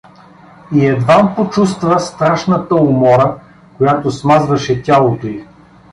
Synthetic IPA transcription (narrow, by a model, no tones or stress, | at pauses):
iɛd̪vampot͡ʃust̪vəst̪ɾaʃnət̪əʊmɔɾə | kojat̪osmazvɐʃɛtʲalˠot̪oi